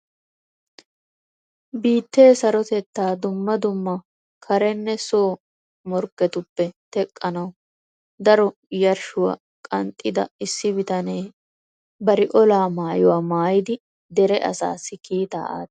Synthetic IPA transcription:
biːt̪ːeːsɐɾɔt̪ɛt̪ːaːd̪ʊmːɐd̪ʊmːɐ | kʰɐɾɛnːɛsoː | mɔɾkːɛt̪ʊpːɛt̪ɛkʼːɐnɐw | d̪ɐɾɔ | jɐɾʃʊwɐ̰ | kʼɐnt̪ʼːɪd̪ɐ̰ɪsːɪbɪt̪ɐneː | bɐɾɪʔɔlaːmaːjɔwaːmaːjɪd̪ɪ | d̪ɛɾɛʔɐ̰sa̰ːsːɪkiːt̪a̰ːa̰ːt̪

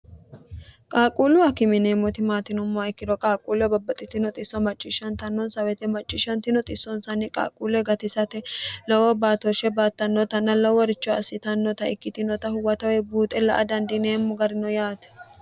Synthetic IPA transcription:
kʼaːkʼuːlʊɐkɪmɪneːmːɔt̪ɪmaːt̪ɪnɔmːɔɪkːɪd̪ɔkʼaːkʼuːlɛbɐbːɐt̪ʼːɪt̪ɪnɔt̪ʼɪsːɔmɐt͡ʃʼːɪʃɐnt̪ɐnːɔnsɐwɛt̪ɛmɐt͡ʃʼːɪʃɐnt̪ɪnɔt̪ʼɪsːɔnsɐnːɪkʼa̰ːkʼuːlɛɡɐt̪ɪsɐt̪ɛlɐwɔbaːt̪ɔʃɛbaːt̪ːɐnːɔt̪ɐnːɐlɐwɔɾɪt͡ʃːɔɐsːɪt̪ɐnːɔt̪ɐɪkːɪt̪ɪnɔt̪ɐhʊwɐt̪ɐwɛbuːt̪ʼɛlɐ̰ʔɐ̰d̪ɐnd̪ɪneːmːɔɡɐɾɪnɔjaːt̪ɛ̥

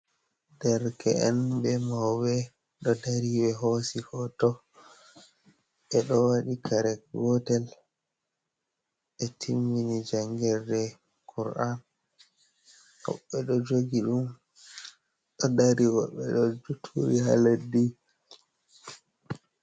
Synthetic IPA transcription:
dɛɾkɛɛnbɛmawwɛ | ɗɔdaɾiwɛɦosikɔtɔ | ɛɗɔwaɗikʰaɾɛkɡɔtɛl | ʔɛtʰimːinid͡ʒaŋɡɛɾdɛ | kʰuɾʔan | hɔ̰ɓːɛɗɔd͡ʒoɡiɗum | ɗɔdaɾiwɔɓːɛɗɔd͡ʒutʰuɾihaladːi

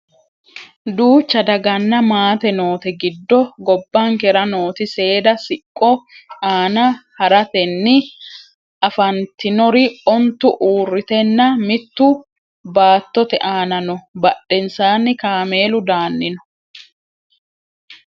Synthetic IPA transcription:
d̪uːt͡ʃːɐd̪ɐɡɐnːɐmaːt̪ɛno̞ːt̪ɛɡɪd̪ːɔɡɔbːaŋkɛɾɐno̞ːt̪ɪse̞ːd̪ɐsɪkʼːɔaːnɐhɐɾɐt̪ɛnːɪ | ɐfɐnt̪ɪnɔɾɪɔnt̪ːʊʔuːrːɪt̪ɛnːɐmɪt̪ːʊ | baːt̪ːɔt̪ɛ̰ʔaːnɐnɔbɐɗːɛnsaːnːɪkaːme̞ːlʊd̪aːnːɪnɔ

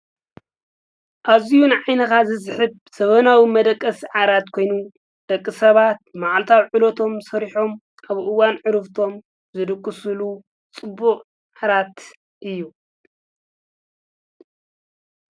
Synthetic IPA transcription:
ʔaβzijunʕajnɐkazɨsɨħɨb | sɐβɐnawimɐd̪ɐkʼːɐsiʕaɾat̪kʰo̞jnu | d̪̥ɐkʼːɨsɐβat̪̚maʕalt̪ʰawʕɨlot̪ʰo̞msɐɾiħo̞m | ʔaβʔɨwanʕɨɾɨft̪ʰo̞m | zɨd̪ɨkʼːɨsulu | t͡sʼɨbːuqʼ | ʕaɾat̪ | ʔɨjːu

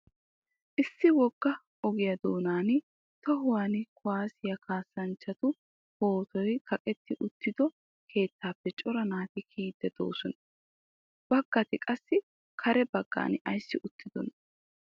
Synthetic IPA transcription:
ʔɪsːɪwɔɡ̥ːɐ | ɔɡɪjɐd̪oːnaːn | t̪ɔɦʊwaːnkʰʊwaːsɪjɐkʰaːsːɐnt͡ʃːɐt̪ʊ | ho̞ːt̪ɔjkʰɐkʼɛt̪ːɪʔʊt̪ːɪd̪ɔ | kʰe̞ːt̪ːaːpːɛt͡ʃʼɔɾɐnaːt̪ɪkʰiːd̪ːɛd̪̥o̞̰ːsɔnɐ | b̥ɐɡ̥ːɐt̪ɪkʼɐsːɪ | kʰɐɾɛbɐɡːa̰ːnʔɐjsːɪʔʊt̪ʰːɪd̪ɔ̰nɐ

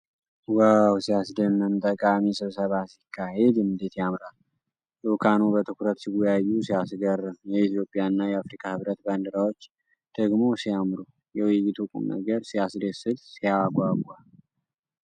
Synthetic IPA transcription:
wawsijasd̪əmːɨmt̪ʼəkʼamisɨβsəβasikʰːahed̪ɨmd̪et̪jamɾal | jokʰanubət̪ʰɨkuɾət̪siɡɔjajːusijasɡərːɨmjɛit̪jo̞pʼjanːajɛafɾikʰahɨβɾət̪band̪ɨɾawot͡ʃː | d̪̥əɡmo̞sijamɾu | jɛwijɪt̪ʰukʼṵmnə̰ɡəɾsijasd̪esɨd̪sijaɡʷaɡʷal

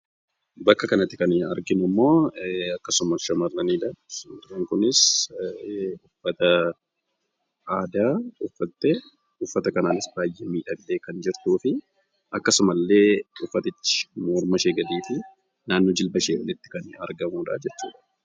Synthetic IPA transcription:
bɐkːɐkɐnɐt̪ːɪkɐnɐ̰ɾɡɪnʊmːo̞ːɐkːɐsʊmɐʃɐmɐrːɐniːd̪ɐnɾeːŋkʊnɪs | ʊfːɐt̪ɐ | ʔaːd̪aːʊfːɐt̪ːɛ | ʊfːɐt̪ɐkɐnaːnɪsbaːjʔemiːᶑɐɡɪleːkɐnd͡ʒɪɾt̪uːfɪ | ʔɐkːɐsʊmɐlːe̞ːʊfːɐt̪ɪt͡ʃːɪ̥mɔːɾmɐʃeːɡɐd̪iːfɪ | naːnːɔd͡ʒɪlbɐʃeːɔlɪt̪ːɪ̥kɐnɐ̰ɾɡɐmuːᶑa̰ːd͡ʒɛt͡ʃːṵːᶑɐ̥

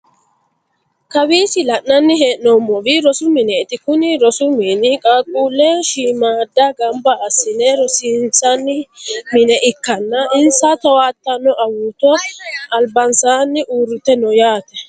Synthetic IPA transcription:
kɐwiːsɪlɐʔːɐnːɪɦeːʔnomːɔbɪɾɔsʊmɪnɛɪt̪ɪkʊnɪɾɔsʊmiːnɪkʼaːkʼuːlːɛʃiːmaːd̪ːɐɡɐmbɐːsːɪnɛɾɔsinsɐnːɪmɪnɛʔɪkːɐnːɐɪnsat̪ɐwaːt̪ːɐnːɔʔɐwut̪ɔɐlbɐnsaːnːɪʔuːrːʊt̪ɛnɔjaːt̪ɛ

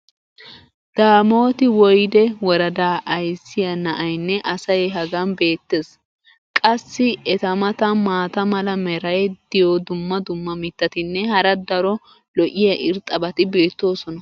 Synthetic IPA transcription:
d̪̥aːmo̞ːt̪ɪwɔjd̪ɛwɔɾɐd̪aːʔɐjsːɪjɐnɐʔɐjnːɛʔɐsɐjɛɦɐɡɐnbe̞ːt̪ːes | kʼɐsːɪɛt̪ɐmɐt̪ɐmaːt̪ɐmɐlɐmɛɾɐjɛd̪̥ɪjod̪ʊmːɐd̪ʊmːɐmɪt̪ːɐt̪ɪnːɛɦɐɾɐd̪ɐɾɔ | lɔʔɪjɐʔɪɾt̪ʼɐbɐt̪ɪbe̞ːt̪ːo̞ːsɔnɐ

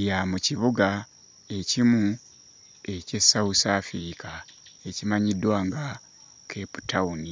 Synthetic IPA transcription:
jamuciβuɡa | e̞cimu | e̞ce̞sːausaːfiɾikʰae̞cimaɲidwaːŋɡa | kʰe̞pu̥tauni

